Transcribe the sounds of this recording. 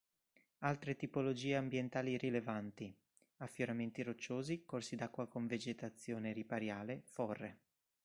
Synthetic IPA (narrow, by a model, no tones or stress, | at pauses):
alt̪ɾet̪ipolod͡ʒiːeambjent̪aːlirilevant̪i | afːjoɾament̪iɾot͡ʃːoːzikorsid̪akːwakoɱved͡ʒet̪at̪sːjoːneɾipaɾjaːlefɔrːe